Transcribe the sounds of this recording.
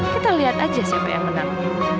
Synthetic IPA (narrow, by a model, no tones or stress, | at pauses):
kit̪aliɦat̪ad͡ʒasiapa̰ja̰ŋmənaŋ